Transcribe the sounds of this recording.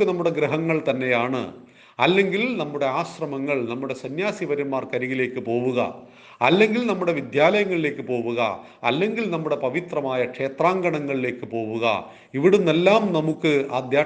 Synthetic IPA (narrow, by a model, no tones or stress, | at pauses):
ɨnɐmːuɽe̞ɡɾɐɦɐŋːɐɭt̪ɐnːe̞jaːɳɨ̰ | ɐlːe̞ŋɡilnɐmːuɽe̞aːɕrɐmɐŋːɐɭnɐmːuɽe̞sɐnjaːsiʋɐɾummːaːrkɐɾiɣile̞ːkːɨpo̞ːʋuɣɐ̰ | ɐlːe̞ŋɡilnɐmːuɽe̞ʋid̪jaːlɐjɐŋːɐɭile̞ːkːɨpo̞ːʋuɣɐ̰ | ɐ̰lːe̞ŋɡilnɐmːuɽe̞pɐʋit̪rɐmaːjɐkʂe̞ːt̪raːŋɡɐɳɐŋːɐɭile̞ːkːɨpo̞ːʋuɣɐ̰ | iʋiɽumːelːaːmnɐmukːɨaːd̪jaː